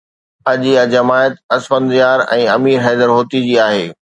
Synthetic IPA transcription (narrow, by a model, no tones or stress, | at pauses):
ɐʄiɐd͡ʑɐmaːjət̪ɐsfənd̪ɪjaːɾɛ̰̃ːɐmiːɾɦɛːd̪əɾɦoːt̪id͡ʑiːaːɦeː